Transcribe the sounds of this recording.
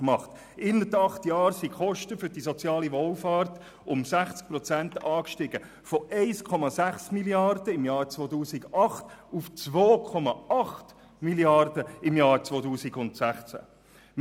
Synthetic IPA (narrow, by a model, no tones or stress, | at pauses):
mɑχt | ɪnətɑχtjɑːɾsiχɔʃtəfʏɾdisɔt͡sjɑːliʋɔlfɑːɾt | ʊmsæχt͡sk̚pɾɔt͡sæntɑːkʃtɪɡ̥ə | fɔʔɛɪskʰɔmɑsæχsmiljɑrdəɪmjɑːɾt͡sʋoːtuːsiɡɑχtuft͡sʋoːkʰɔmɑɑχt | miliɑrdəɪmjɑːɾt͡sʋoːtuːsiɡʊntsæχt͡sæ̰